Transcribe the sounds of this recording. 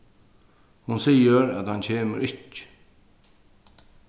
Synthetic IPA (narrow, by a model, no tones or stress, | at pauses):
hʊnsiːəɾæt̪hant͡ɕʰeːmə̰ɾɪc